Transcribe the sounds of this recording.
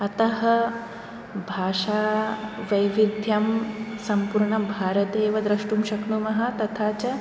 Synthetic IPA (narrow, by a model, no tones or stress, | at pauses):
ɐt̪ɐɦɐ | bʱaːʂaːʋɐjʋid̪ʱjɐmsɐmpuɾɳɐbʱaːɾɐt̪eːʋɐd̪ɾɐʂʈumʃɐkɳumɐɦɐ̆t̪ɐt̪ʰaːt͡ʃɐ